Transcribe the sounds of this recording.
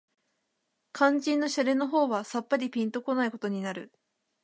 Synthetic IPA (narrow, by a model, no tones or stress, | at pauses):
kãɲ̟d͡ʑĩnːo̞ɕaɾe̞no̞ɦo̞ːβasapːaɾʲipʲĩnt̪o̞ko̞naiko̞t̪o̞ɲ̟inaɾɯ̟